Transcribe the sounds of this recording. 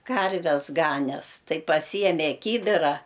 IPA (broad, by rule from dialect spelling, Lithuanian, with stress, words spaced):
ˈkɐrʲʋʲɛs ˈɡɑːnʲɛs ˈtɐɪ pɐˈsʲiːjɛmʲɛ ˈkʲiːbʲɪrɐ